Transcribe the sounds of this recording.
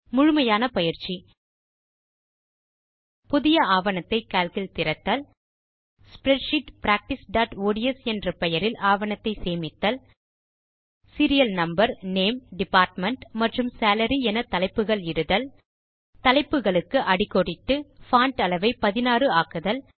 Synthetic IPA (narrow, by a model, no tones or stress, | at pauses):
mʊɻʊmɐjaːnɐpɐjɪɾt͡ʃːi | pʊðɪjɐaːʋɐnɐt̪ːɐɪkaːlkɪlt̪ɪɾɐt̪ːaːl | spɾɛʈʂɪʈpɾaːk̚ʈɪsɖaːʈoːɽɪjɐsɛndrɐpɛjɐɾɪlʔaːʋɐɳɐt̪ːɐɪseːmɪt̪ːɐl | sɪɾɪjɐlnɐmbɐɾneːmɖɪpaːɾʈmɐɳʈmɐʈrɯmsaːlɐɾiɛnɐt̪ɐlɐɪpːɯɣɐɭɪɽɯðɐl | t̪ɐlɐɪpːɯɣɐɭɯkːɯʔɐɽɪkːɔɽɪt̪ːɯfaːɳʈɐlɐʋɐɪpɐðɪnaːrɯaːkɯðɐl